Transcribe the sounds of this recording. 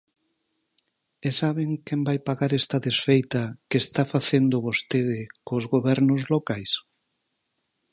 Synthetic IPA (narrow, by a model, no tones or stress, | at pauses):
esaβeŋkɛmbajpaɣaɾɛst̪ɐðesfejt̪ɐkeːst̪afaθend̪ʊβost̪eð̞ɪkozɣoβɛɾnʊzlokajs